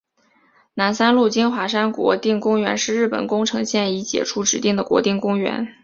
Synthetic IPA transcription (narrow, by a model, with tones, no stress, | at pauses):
na˧˥nsa˥nlu˥˩t͡ɕi˥nxwa˧˥ʂa˥nkwɔ̰˧˥t̪i˥˩ŋkʊ˥ŋɥɛ̰˧˥nʂɻ̩˥˧ɻɻ̩˥˩pə̰˨˩nkʊ˥ŋʈ͡ʂʰɤ˧˥ŋɕjɛ˥˩ni˧˥t͡ɕjɛ̰˨˩ʈ͡ʂʰu˥ʈ͡ʂɻ̩˧˥t̪i˥˩ŋd̪ə˩kwɔ̰˧˥t̪i˥˩ŋkʊ˥ŋɥɛ̰˧˥n